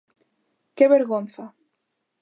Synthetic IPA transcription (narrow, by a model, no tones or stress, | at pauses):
cɛvɛɾɣɔnθa